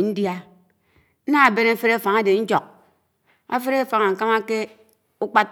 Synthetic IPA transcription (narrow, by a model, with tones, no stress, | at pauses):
n̩˦dja˦ | na˦a˨be˦na˦fe˦ɾe˦a˨fa˨ŋa˦de˨n̩˦d͡ʒo˨k̚ | a̰˨fe˦ɾe˦˨fa˨ŋa˨ŋ̩˨ka˦ma˦ke˦ | u˦k͡pa˦t